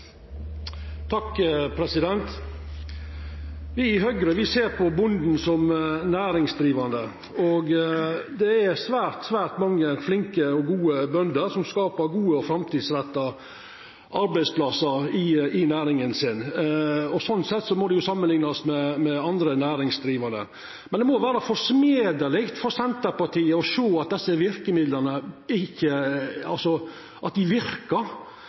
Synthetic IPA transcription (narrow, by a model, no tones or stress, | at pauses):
t̪ʰɑkːpʰɾɛsɪd̪ɛnt̪ | ʋɪɪɦœɡɾəʋɪseːɾpʰɔbʊnd̪n̩sɔmnæːɾɪŋsd̪ɾiːʋɑnd̪ə | ɔɡd̪ɛæsʋæːɾt̪sʋæːɾʈ̪mɑŋːəflɪŋkəɔɡuːəbœnd̪əɾsɔmskɑːpəɾɡuːəɔfɾɑmt̪ʰiːd̪sɾɛt̪ːɑ | ʔɑɾbæɪspʰlɑsəɾɪɪnæːɾɪŋənsɪn | ɔsɔnːsɛt̪ːsɔmɔd̪ɛjʊsɑmːənlɪŋnɑsmɛmɛɑnd̪ɾənæːɾɪŋsd̪ɾiːʋɑnə̰ | mɛnd̪ɛmɔʋæːɾəfɔʂmeːd̪əlɪkt̪fɔɾsɛnt̪əɾpɑʈ̪ʰiːəɔʂoːɑt̪̚d̪ɛsːəʋɪɾkəmɪd̪ləɾnəɪçːəɑ̰lsɔ | ʔɑt̪̚d̪ɪʋɪɾkəɾ